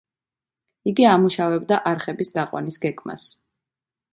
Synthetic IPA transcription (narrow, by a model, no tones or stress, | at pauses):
iɡiamuʃavɛbd̪aʔaɾχɛbisd̪aqʼwa̰nisɡɛɡʼma̰s